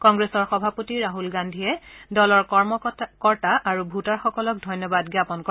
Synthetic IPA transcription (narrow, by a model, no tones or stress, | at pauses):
kɔŋɡɹesɔɹxɔbʱapotiɹaɦulɡandʱiɛdɔlɔɹkɔɹmɔkɔɹtaʔːɹubʱutaɹxɔkɔlɔk̚dʱɔjnɔbadɡjapɔnkɔ